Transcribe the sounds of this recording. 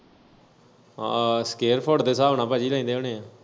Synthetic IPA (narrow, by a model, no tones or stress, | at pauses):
askeːɾpʰoːɖd̪eːsaːoːnãːpaːd͡ʒiːlaːĩːd̪eːoːneːãː